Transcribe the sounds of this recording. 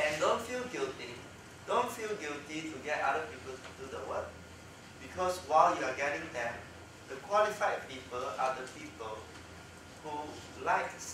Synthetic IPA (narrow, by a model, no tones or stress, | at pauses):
ɛ̃ndõnfilɡilti | dõnfilɡiltituɡɛta̰dəpipəldudə̰wə̰k̚ | b̥ikʰɔswaɪljuaɡɛɾɪ̃ŋdɛ̃m | d̥əkʰwɔlifaɪd̚pipəladəpipəl | hu | laɪk